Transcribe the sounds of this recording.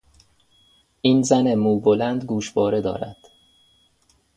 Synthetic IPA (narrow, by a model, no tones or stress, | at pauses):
ʔiːnzænemuːbolænd̪ɡuːʃbɒːɾe̞d̪ɒ̰ːɾæ̰d̪̥